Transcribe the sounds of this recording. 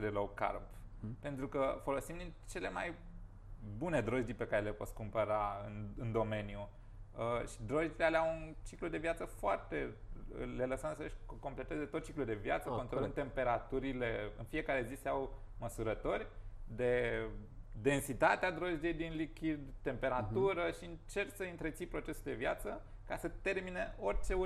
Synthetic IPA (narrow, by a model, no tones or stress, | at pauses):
d̪eloka̰rppe̞nt̪ɾukəfo̞lo̞simd̪int͡ʃe̞le̞ma̰j | bune̞d̪ɾo̞ʒd̪ipe̞kaɾe̞lepo̞t̪skumpəɾaɨnɨnd̪o̞me̞nju | əʃi̥d̪ɾo̞ʒd̪ilealeawunt͡ʃiklud̪e̞vjat̪səfoart̪e̞̰le̞ləsəmsəʃʲko̞mple̞t̪e̞ze̞t̪ot̪̚t͡ʃiklud̪e̞vijat̪səkont̪ɾolɨnt̪e̞mpe̞ɾat̪uɾile̞ɨ̰nfije̞kaɾe̞ziseaw | məsuɾət̪o̞rʲd̪e̞ | d̪e̞nsit̪at̪ead̪ɾo̞ʒd̪ijejd̪inlikʲid̪t̪e̞mpe̞ɾat̪uɾəʃiɨnt͡ʃe̞rsəɨnt̪ɾet̪sipɾo̞t͡ʃe̞suld̪e̞vjat̪sə | kasət̪e̞rmineo̞rʲt͡ʃe̞u